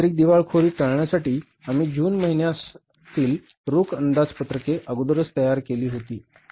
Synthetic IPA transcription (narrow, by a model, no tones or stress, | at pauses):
ɾiːk̚d̪iʋaɭkʰoɾiːʈəɭɳjasaʈiː | am̤iːd͡ʑuːnməɦiɳjas | t̪iːl | ɾokʰənd̪ad͡zpət̪ɾəkeʔəɡud̪ɾəst̪əjaɾkeliːɦot̪iː